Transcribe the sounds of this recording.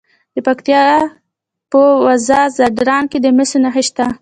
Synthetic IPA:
d̪əpakt̪ijɑ | pəwazɑzaɖɾɑnked̪əmɪsunaxəʃt̪a

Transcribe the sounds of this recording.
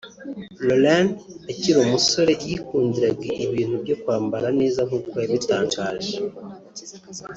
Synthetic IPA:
lolandaciɾomuso̞ɾe̞jikuːndiɾaɡɡiʔiβiːn̥hubɟo̞kwaːmbaɾaneːzam̥ut̚kwajaβitaːɲt͡ʃaːʒe

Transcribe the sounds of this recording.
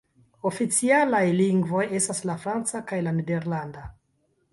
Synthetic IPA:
o̞fit͡sialajliŋɡvo̞je̞staslafɾant͡sakajlanede̞ɾlanda

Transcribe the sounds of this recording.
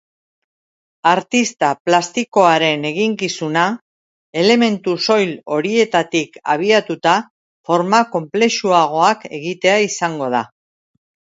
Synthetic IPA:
aɾt̪ist̪aplast̪iko̞aɾe̞ne̞ɣiŋkisuna | e̞le̞me̞nt̪uso̞jlo̞ɾie̞t̪at̪ika̰β̞iat̪ut̪a | fo̞ɾmako̞mple̞ʃuaɣ̞o̞ake̞ɣit̪e̞aisaŋɡo̞ð̞a

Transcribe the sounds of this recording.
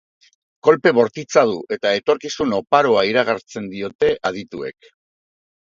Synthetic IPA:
ko̞lpe̞βo̞ɾt̪it͡sað̞uʔe̞t̪ae̞t̪o̞ɾkisuno̞paɾoaiɾaɣ̞aɾt͡se̞nd̪io̞t̪e̞ʔað̞it̪ue̞̰k

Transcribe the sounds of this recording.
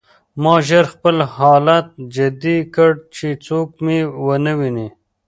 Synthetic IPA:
mɑʒəɾxpəlhɑlat̪̚d͡ʒad̪ikəɽt͡ʃet͡sokmewənəwini

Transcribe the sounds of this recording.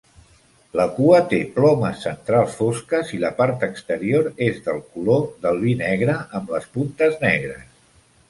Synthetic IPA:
ləkuət̪eplɔməsːənt̪ɾalˠsfoskəziləpaɾt̪əkst̪əɾioɾezðəlˠkuloðəlˠβinɛɣ̞ɾəəmləspunt̪əznɛɣɾəs

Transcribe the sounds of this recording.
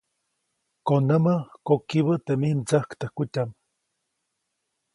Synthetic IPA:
konəməkokiβət̪emihmt͡səhkt̪əhkutʲam

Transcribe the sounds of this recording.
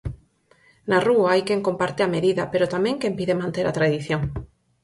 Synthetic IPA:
naruaajkeŋkompaɾt̪eameðiðɐpeɾot̪amẽŋkẽmpiðemãnt̪eɾat̪ɾaðiθjoŋ

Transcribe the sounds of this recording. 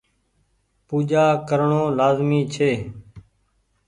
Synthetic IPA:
puːd͡ʒaːkəɾɳõːlaːzmiːt͡ʃʰeː

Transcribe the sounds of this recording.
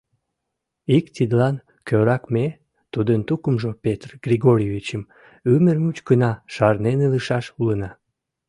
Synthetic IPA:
ikt̪id̪lɑn | køɾɑkme | t̪ud̪ənt̪ukəmʒopet̪rɡ̥rʲiɣoɾʲjevʲit͡ɕəm | ymərmut͡ɕkənɑʃɑrneneləʃɑʃulənɑ

